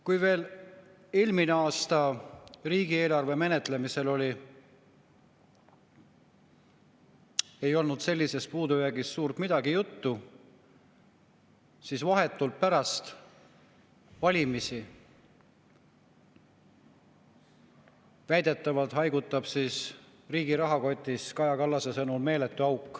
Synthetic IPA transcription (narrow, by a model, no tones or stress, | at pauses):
kujve̞ːl | ilmineɑːst̪ɑriːɡ̥ie̞ːlɑrve̞me̞ne̞t̪ˑle̞mise̞lo̞lʲi | e̞jo̞lnud̪̥se̞lʲːise̞spuːd̪ujæɡisːuːrt̪mid̪̥ɑɡijut̪ːu | sisvɑɦe̞t̪ːˑult̪̚pæɾɑst̪ | vɑlʲimisi | væjd̪̥e̞t̪ːˑɑvɑlt̪hɑjɡut̪ːˑɑb̥siːs | riːɡiɾɑɦɑko̞t̪ʲˑːiskɑjɑkɑlːɑsesɤnulme̞ːlet̪ːˑyɑwkːˑ